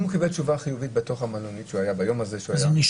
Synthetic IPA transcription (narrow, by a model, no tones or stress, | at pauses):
mukibet͡ʃuvaχijuvit̪̚beto̞χhamaloniʃuajabajo̞mazeʃuazjniʃ